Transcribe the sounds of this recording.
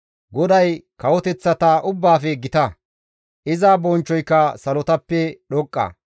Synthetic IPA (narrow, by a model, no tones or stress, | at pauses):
ɡɔd̪ɐjkɐwɔt̪ɛt͡sːɐt̪aːʔʊbːaːfɛɡɪt̪ɐ | ʔɪzaːbɔnt͡ʃːɔjkːɐsɐlɔt̪ɐpːɛɗɔkʼːɐ̰